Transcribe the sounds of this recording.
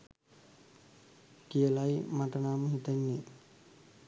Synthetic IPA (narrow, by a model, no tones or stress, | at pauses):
kijəlajmaʈənaːməɦit̪enːe